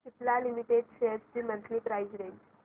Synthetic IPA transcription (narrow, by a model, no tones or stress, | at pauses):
tit̪lalimiʈeɖsesd͡ʑiːmənt̪liːpɾajzɾeɲd͡ʑ